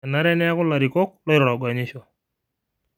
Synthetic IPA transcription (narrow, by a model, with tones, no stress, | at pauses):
a˨na˦ɾɛ˦nɛ˦a˦kʊ˦la˨ɾi˨kɔ˦k̚lɔ˦ɾɔ˨ɾa˨ɡa˨ɲɪ˦ʃɔ˨